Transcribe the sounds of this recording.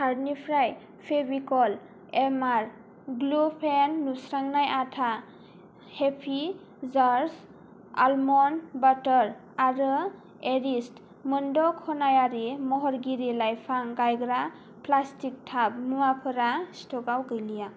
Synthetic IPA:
haɾnipʰɾaj | pʰebikɔl | emaɾ | ɡlupʰenːusɾaŋnajatʰa | hepʰi | zaɾs | almɔnbatɔɾ | aɾɯ | eɾist | mɯndɔkʰɔnajaɾimɔɦɔɾɡiɾilajpʰaŋɡajɡɾa | plastik̚tʰap̚mɯapʰɯɾastɔɡawɡɯjlija

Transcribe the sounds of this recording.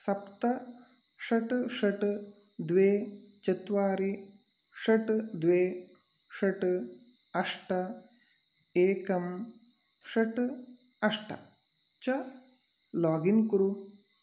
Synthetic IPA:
sɐpt̪ɐ | ʂɐʈʂɐʈɨ | d̪ʋeːt͡ʃɐt̪ʋaːɾi | ʂɐʈd̪ʋeː | ʂɐʈ | ɐʂʈɐ | eːkɐm | ʃɐʈɨ | ɐʂʈɐ̰ | t͡ʃɐ | laːɡinkɾu

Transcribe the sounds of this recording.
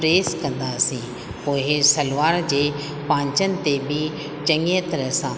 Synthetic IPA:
ɾeːskɐ̃nd̪aːsĩː | poːɦɪsɐlʋaːɾd͡ʑeː | pãːɲt͡ɕənɪ̆t̪ebʱi | t͡ɕɐ̃ŋət̪ɐɾəsã

